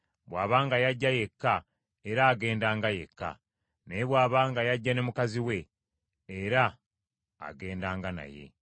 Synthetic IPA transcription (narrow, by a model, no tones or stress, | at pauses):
βwaːβaːŋɡajaɟːaje̞kːa | eɾaːɡe̞ːndaːŋɡaje̞̰kːa̰ | nejeβwaːβaːŋɡajaɟːane̞mukaziwe̞ː | ɾa̰ː | ɡe̞ːndaːŋɡana̰je̞̰